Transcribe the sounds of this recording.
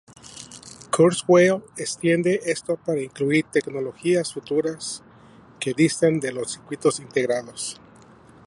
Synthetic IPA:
kʰoɾsweest̪je̞nd̪e̞ʔe̞st̪o̞paɾaiŋkluiɾt̪e̞kno̞lo̞xiasfut̪uɾas | ke̞ðist̪end̪e̞lo̞siɾkwit̪o̞sint̪e̞ɣɾaðo̞s

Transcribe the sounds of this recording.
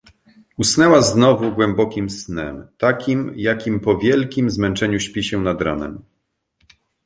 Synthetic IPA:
usnɛwaznɔvuɡwɛmbɔkʲimsnɛ̰mt̪akʲimjakʲimpɔvʲjɛlkʲimzmɛnt͡ʂɛɲuɕpʲiɕɛ̃nad̪ɾa̰nɛ̰m

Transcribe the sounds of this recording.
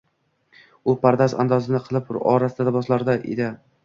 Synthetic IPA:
ʊpʰaɾd̪aza̰nd̪ɒzɪnɪqʰɨlˠɪpɾɒ̰ɾasɪd̪ad̪abɒslaɾd̪aʔḛd̪ɪ

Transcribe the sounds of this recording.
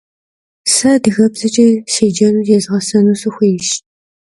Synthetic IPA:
sɐdɨɣɐbzɨt͡ʃʼɐsiːd͡ʒɐnuːjɛzʁɐsɐnuːsuxʷijɪʃ

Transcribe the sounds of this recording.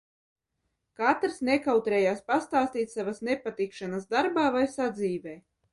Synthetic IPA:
kat̪ɾsnekawt̪ɾɛːjaːspast̪aːst̪iːt̪ʲsavasnepat̪ikʃanasd̪aɾbaːvajsad̪ziːvɛː

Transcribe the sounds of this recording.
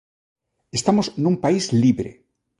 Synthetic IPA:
est̪amosnũmpaizliβɾḛ

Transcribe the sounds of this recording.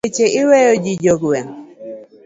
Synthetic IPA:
et͡ʃeʔɪwejod͡ʒid͡ʒoɡwɛŋ

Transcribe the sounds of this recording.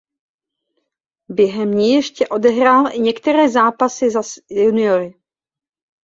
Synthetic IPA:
bjɛɦɛmɲɛjɛʃcɛʔo̞dɛɦɾaːlɪɲɛkt̪ɛɾɛːzaːpasɪzasjjunɪoɾɪ

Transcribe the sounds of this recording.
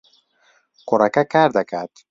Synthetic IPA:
koɾakakaɾd̪akad̪̥

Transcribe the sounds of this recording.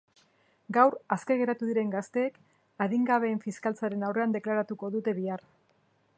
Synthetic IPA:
ɡawɾaske̞ɣe̞ɾat̪uðiɾe̞ŋɡast̪e̞ːk | aðiŋɡaβe̞ːɱfiskalt͡saɾe̞nawre̞and̪e̞klaɾat̪uko̞ðut̪e̞βiar

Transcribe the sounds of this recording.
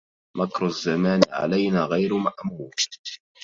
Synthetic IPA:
makɾazːamaːnʕa̰lajnaːɣajɾmaʔmuːɾ

